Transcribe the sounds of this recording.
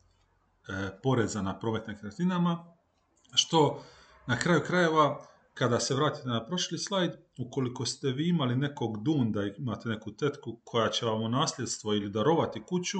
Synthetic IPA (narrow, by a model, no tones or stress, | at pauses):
po̞ɾe̞zanapɾo̞ːme̞t̪nimkɾet̪inama | ʃt̪o̞ | nakɾaːjukɾaje̞ʋa | kad̪ase̞ʋɾaːt̪i̥t̪enapɾo̞ʃlislˠajd̪ | uko̞liko̞st̪e̞ʋiːimaline̞ko̞ɡd̪uːnd̪aiimat̪e̞ne̞kut̪e̞t̪kukʰo̞jat͡ɕe̞ʋamonaːslʲe̞d̪st̪ʋo̞ilid̪aɾo̞ʋat̪ikut͡ɕu